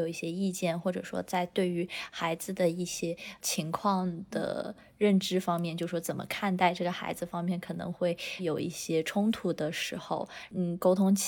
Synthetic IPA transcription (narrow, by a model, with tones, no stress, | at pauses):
o˨˩ʊi˥˩ɕjɛ˥i˥˧t͡ɕjɛ˥˩nxwɔ˥˩ʈ͡ʂɤ̰˨˩ʂwɔ̰˥t͡sa˥˧ɪt̪we˥˩ɪy˧˥xa˧˥ɪd͡zɹ̩˧d̪ə˩i˥˩ɕjɛ˥t͡ɕʰi˧˥ŋkʰwɑ˥˩ŋd̪̥ə̰˩ | ɻə˥˩nʈ͡ʂɻ̩˥fɑ˥ŋmjɛ˥˧nt͡ɕjo˥˧ʂɻ̩˥˩ʂwɔ˥t͡sə˨˩mə̰˦kʰa˥˧nt̪a˥˧ɪʈ͡ʂɤ˥˩ɡə˩xa̰˧˥ɪd͡zɹ̩˧fɑ˥ŋmjɛ˥˩nkʰɤ˨˩nɤ̰˧˥ŋxwe˥˩ɪjo˨˩ʊi˥˩ɕjɛ˥ʈ͡ʂʰʊ˥ŋt̪ʰu˨˩d̪ə˨ʂɻ̩˧˥xo̰˧ʊn̩˥˩ko˥ʊt̪ʰʊ˥ŋt͡ɕʰ